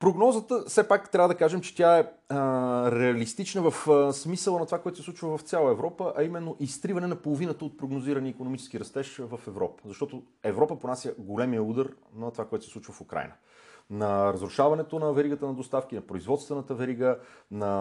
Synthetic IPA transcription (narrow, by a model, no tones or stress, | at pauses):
pɾoɡnɔzət̪əfsɛpakt̪ɾʲavəd̪ɐkaʒɛmt͡ʃɛ̥t̪ʲjaɛ | ɾɛɐlist̪it͡ʃnəvɐfsmisəlˠənɐt̪ovakoɛt̪osɛsˠut͡ʃvəvɐft̪sʲalˠəɛvɾɔpəʔɐimɛnːoʔist̪ɾivɐnɛnɐpolˠovinət̪əot̪̚pɾoɡnoziɾəniːkonomit͡ʃɛ̥skiɾɐst̪ɛʃvəfɛvɾɔ̰pə̥zɐʃt̪ɔt̪o | ɛvɾɔpəponasʲjəɡolɛmijəud̪əɾnɐt̪ovakoɛt̪sɛsˠut͡ʃvəfʊkɾa̰jnə | nɐɾəzɾʊʃavɐnɛt̪onɐvɛɾiɡət̪ənɐd̪ost̪afk̟inɐpɾoizvɔt̪st̪vɛnət̪əvɛɾiɡənɐ